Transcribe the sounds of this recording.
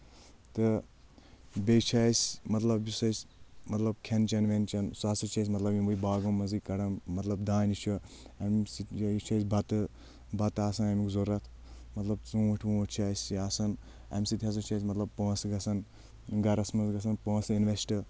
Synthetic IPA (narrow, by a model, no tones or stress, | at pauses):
t̪ɨ | bet͡ʃʰaːsʲmɐt̪lɐbjisɐsʲmɐt̪lɐb̚kʲʰent͡ʃɐnʋent͡ʃɐnsaːsɐt͡ʃʰɐs̬ʲmɐt̪lɐbjimbujbaːɡɐmːɐzikːɐɽɐmːɐt̪lɐbd̪aːnit͡ʃʰu | ɐmsijit͡ʃʰɐjsʲbʱɐt̪ɨ | bɐt̪aːsɐnɐmikzoɾɐt̪ʰ | mɐt̪lɐb̚t͡suːɐʈʰʲʋũːʈʰt͡ʃʰaːsʲiaːsɐn | ɐ̰mʲsit̪ʰʲɦɐs̬ɐt͡ʃʰɐjs̬ʲmɐt̪lɐb̚poːsɡɐsɐn | ɡɐɾɐsmɐzɡɐs̬ɐnpoːsinʋesʈɨ